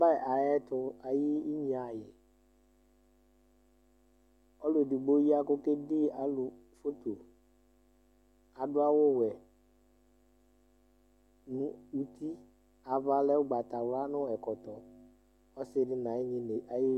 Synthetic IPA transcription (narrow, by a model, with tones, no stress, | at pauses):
ba˦˨ʔa˨jɛ˦t̪ʊ˦a˨jɪ˦i˦ɲĩ˨˦a˨jɪ˨ | ɔ˦lʊ˨dɪ˨ɡ͡bo˦ji˦a˦ko˦ke˦dɪ˦a˨lʊ˨ | fo˦t̪o˨ | a˨ɖʊ˦a˦wʊ˦wɛ˨ | nũ˦u˨t̪i˦ | a˨va˦lɛ˦wʊ˦ɡ͡ba˨t̪a˨wɾa˦nʊ̃˦ɛ˨kɔ˨t̪ɔ˨ | ɔ˦sɪ˦ɖɪ˦nã˨ɪ˦ɲĩ˦ne˨ʔa˨jɪ˦